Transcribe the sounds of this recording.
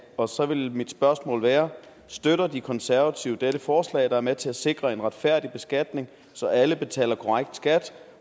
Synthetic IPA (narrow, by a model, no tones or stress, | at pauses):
ɒ̽sɒ̽ʋe̝lmid̥sb̥ɶɐsmɔ̰ːlʋæːɐ | sd̥øɾɐd̥ikʰɒ̽nsæɐʋæt͡sʰiʊd̥eɾ̥əfɒːslɛ̰ɪd̥ɑ̈æɐmet͡sʰe̝æse̝ɡ̥ʁɐe̝nʁäd̥fæɐ̰d̥ib̥e̝sɡ̥æd̥ne̝ŋ | sɒ̽ʔæləb̥e̝t͡sʰɛ̰ːlɐkʰɒʁaɡ̥d̥sɡ̥æd̥